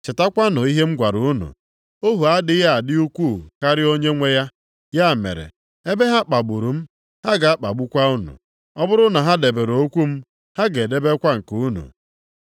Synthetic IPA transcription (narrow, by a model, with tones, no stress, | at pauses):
t͡ʃɪ˨ta˦kʷa˦nʊ˨i˦ɦe˦m̩˦ɡʷa˨ɾu˨u˦nṵ˨ | o˦ɦu˨a˦dɪ˦ja˦a˨dɪ˦u˦kʷu˦˨ka˦ɾɪ˦o˦ɲe˦ŋʷe˦ja˦ | ja˦˨mḛ˨ɾḛ˨ | e˦be˦ɦa˦k͡pa˨ɡ͡bu˨ɾu˨m̩˦ | ha˦ɡa˨a˦k͡pa̰˨ɡ͡bu˦kʷa˦u˦nṵ˨ | ɔ˦bʊ˦ɾʊ˦na˨ɦa˦de˨be˨ɾo˨o˦kʷu˦m̩˦ | ha˦ɡe˨de˦be˦kʷa˦ŋ̩˨ku˨u˦nṵ˨